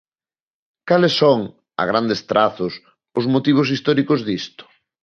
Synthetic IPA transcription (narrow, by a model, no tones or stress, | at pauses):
kalɪsːɔŋ | a̰ɣ̞ɾand̪est̪ɾaθʊs | ʊzmot̪iβ̞os̬ist̪ɔɾikozðist̪ʊ̥